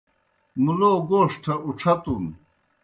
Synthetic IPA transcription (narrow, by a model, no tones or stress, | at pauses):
muloːɡoːʂʈʰɐuʈ͡ʂʰɐt̪un